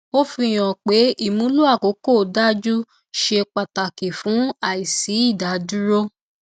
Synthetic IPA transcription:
o˦fi˧˨j̃ɔ̃˨k͡pe˨˦i˦˨mũ˨˦lu˦a˦˨ko˨˦ko˦˨da˦d͡ʒu˦ | ʃe˧k͡pa˨ta˨ki˨fũ˨˦a˦˨i˨si˨˦i˦˨da˨˦du˦ɾo˦

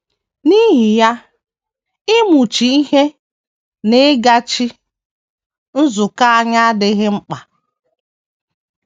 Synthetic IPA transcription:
ni˦ɦi˨ja˦ | ɪ˦mu˨t͡ʃi˨i˦ɦe˦ | nɪ˦ɡa˦t͡ʃi˦ | n̩˦zʊ˨ka˦a˦ɲa˦a˦dɪ˨ɣɪ˦ŋ͡m̩˦k͡pa˨

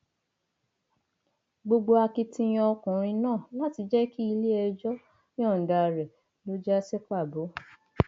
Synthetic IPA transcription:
ɡ͡bo˧ɡ͡bo˧a˧ki˧tĩ˧j̃ɔ̃˧ɔ˧kũ˨ɾ̃ĩ˧nãː˦˨la˦ti˧d͡ʒɛ˦ki˦i˧le˦ɛ˧d͡ʒɔ̃˦ | ɔ̃˦˨n̩˨da˨ɾɛ˨ | lo˨˦d͡ʒa˦sɛ˦k͡pa˦˨bo˨˦

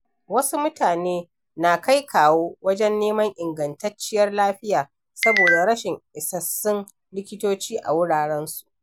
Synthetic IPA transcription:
wɐ˦su˦mʊ˦taː˨neː˦ | na˨ka˦jkʰaː˨woː˦wɐ˦d͡ʒɛ˦nːeː˦mɐ˦ŋʔɪ˨ŋɡɐ˨ntɐ˦t͡ʃːɪ˦jɐ˦rlaː˦ɸɪ˦jaː˨ | sɐ˦boː˨da˨ɾɐ˦ʃɪ˨ŋʔɪ˨sɐ˨sːɪ˦n | lɪ˦kʲɪ˦toː˦t͡ʃiː˦ʔa̰˨wʊ˦ɽaː˨ɽɛ˦nsu̥˨ʔ

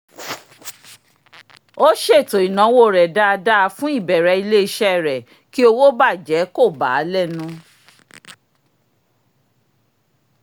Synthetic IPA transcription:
o˦ʃe˦˨to˨i˨nã˨˦wo˦˨ɾɛ˨da˦a˧da˦a˧fũ˦i˦˨bɛ˨ɾɛ˨˧i˧le˦i˦˧ʃɛ˦˨ɾɛ˨ | ki˦o˧wo˦ba˦˨d͡ʒɛ˨˦ko˦˨ba̰˨˦lɛ˦˨nũ˦˧˦

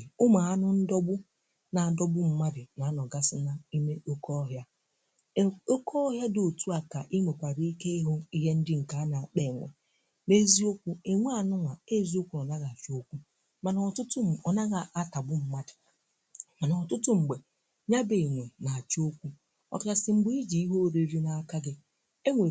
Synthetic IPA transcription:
ʊ˦ma˨a˦nʊ˦n̩˦dɔ˦bʊ˦ | na˨dɔ˦bʊ˦m̩˦ma˦dɪ˨na˨˦nɔ˨ɡa˦sɪ˦na˦i˦me˦ʔo˦kɔ˦ɦja˦ | o˦kʰɔ˦ɦja˦do˨tu˦a˨ka˨ʔi˦ŋʷe˨kʷa˨ɾi˦i˦ke˦i˦ɦo˦i˦ɦe˦n̩˦dɪ˦ŋ̩˨ka˨˦na˨k͡pe˨ŋʷa̰˨ | ne˦zi˦o˦kʷu˦e˨ŋʷe˦a˨nʊ˦ŋʷa˨e˦zi˦o˦kʷu˦nɔ˨na˦ɣa˨a˨fi˦o˦kʷu˦ | ma˨na˨tʊ˦tʊ˦m̩˨ɔ˨na˦ɣa˨ʔa˦ta˨bʊ˦m̩˨ma˦dɪ̥˨ | ma˨nɔ˨ɔ˨tʊ˦tʊ˦ŋ͡m̩˨ɡ͡be˨ | ɲa˦be˨ŋʷo˨na˨a˨t͡ʃo˦kʷu˦ | a̰˨ka˨sɪ˨ŋ͡m̩˨ɡ͡bi˦i˦d͡ʒi˨i˦ɦo˦˨ɾe˨ɾi˦na˨a˨ka˦ɡɪ˦ | e˦ŋʷe˨

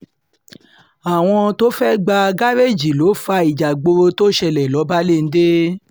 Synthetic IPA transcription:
a˨w̃ɔ̃˧to˦fɛ˦ɡ͡ba˧ɡa˦ɾe˦˨d͡ʒi˨lo˨˦fa˧i˨d͡ʒa˨ɡ͡bo˧ɾo˧to˦ʃɛ˧lɛ˨lɔ˨˦ba˦le˦˨n̩˦de˦

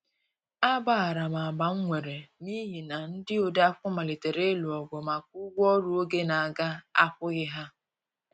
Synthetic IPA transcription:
a˦ba˦a˨ɾa˨ma˨a˨ba˨ŋ̩˦ŋʷe˨ɾe˨ni˦ɦi˨na˨n̩˦dɪ˦o˨da˦a˦kʷʊ˦ma˨le˨te˨ɾe˦lu˨ɔ˨ɡʷo˨ma˨k̚u˦ɡʷɔ˦ɾu˦o˦ɡe˦na˨ɡa˦a˦pʊ˦ɣɪ˦ɦa˦

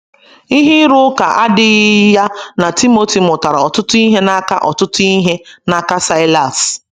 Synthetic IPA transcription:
i˦ɦi˦ɾu˦ka˨ʔa˦dɪ˦ja˦na˨ti˦mo˦ti˨mʊ˨ta˨ɾa˨ɔ˨tʊ˦tʊ˦i˦ɦe˦na˦ka˦ʔɔ˨tʊ˦tʊ˦i˦ɦe˦na˦ka˦sa˦ɪ˦la˨s

